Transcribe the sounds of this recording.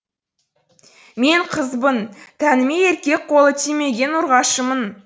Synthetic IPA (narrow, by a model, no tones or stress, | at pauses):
me̞ɴqʰəzbənt̪ʰænɪme̞eɾkʲe̞k̚qʰo̞lˠət̪ʰijme̞ɡʲe̞nʊɾʁɑʃəmən